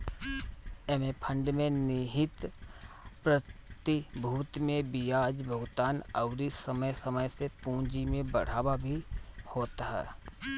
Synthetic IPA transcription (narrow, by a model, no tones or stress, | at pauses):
ɛːmepʰə̃ɳɖmẽnɪɦɪt̪ | pɾət̪ibʱuːt̪mẽbijaːd͡ʒbʱəɡt̪aːnə̰ʊɾisəməjsəməjsepũːd͡ʒimẽbə̰ɽ̤aːbabʱihoːt̪ɦɛ̰ː